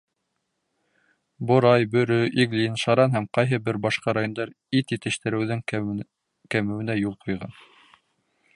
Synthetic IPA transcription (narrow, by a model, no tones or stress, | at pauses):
bŏɾɑjbɵ̆ɾɵʔiɡlʲinʃɑɾɑnɦæmqɑjɦɤbɘɾbɑʃqɑɾajond̪ɑɾ | it̪jɘ̆t̪ɘ̆ʃt̪ɘ̆ɾɘ̆wðɘŋ | kæmɘ̆wɘ̆næjulˠqʰŏjʁɑ̰n